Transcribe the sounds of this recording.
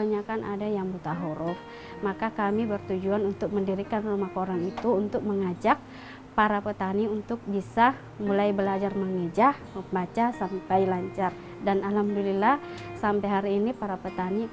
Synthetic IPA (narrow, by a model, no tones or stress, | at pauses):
aɲakanʔa̰dajaŋbut̪aɦuɾɔf | makakamibərt̪ud͡ʒuanunt̪ʊk̚məndiɾikanrumahkoɾaŋit̪uːnt̪ʊk̚məŋad͡ʒak̚ | paɾapət̪aniunt̪ʊk̚bisa | mulajbəlad͡ʒarməŋəd͡ʒah | bat͡ʃasampajlaɲt͡ʃar | danalamdulilahsampajɦaɾiːnipaɾapət̪ani